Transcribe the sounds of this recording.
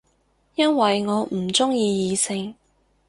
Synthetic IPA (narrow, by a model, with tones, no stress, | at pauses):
jɐ˥nwɐ˨jŋɔː˨˧m̩˨˩t͡sʊ˥ŋjiː˧jiː˨˧sɪ˧ŋ